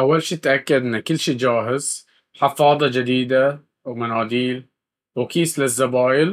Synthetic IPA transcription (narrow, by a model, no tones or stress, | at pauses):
ʔawːalʃiːɪt̪ʔakːad̪ʔɪnːkʊlːʃiːd͡ʒaːɦɪz̥ | ħɪfɑːd̪ˤɑd͡ʒɪd̪iːd̪a | wmanaːd̪iːl | wkiːslɪzːabaːjɪl